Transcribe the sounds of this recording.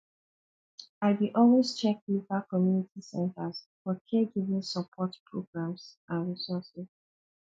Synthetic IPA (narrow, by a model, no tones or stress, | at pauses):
aɪdiʔɔlwest͡ʃɛk̚livakɔmjunitʰisɛ̃ntʰəz | fɔkʰɛɡivĩŋsəpʰɔtpʰɹoɡɹãms | ãnɹisɔsɪz